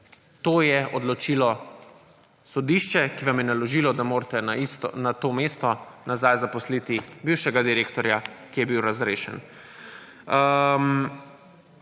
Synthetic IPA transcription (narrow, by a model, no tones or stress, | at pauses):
t̪oːjɛʔɔd̪lɔt͡ʃilɔ | sɔd̪iʃt͡ʃɛkiʋamjɛnalɔʒiːlɔd̪amoːɾt̪ɛnaist̪nat̪omeːst̪ɔnazajzapɔslit̪ibiwʃɛɡad̪iɾeːkt̪ɔɾjakijɛbiwɾazɾeːʃɛ̰n | əm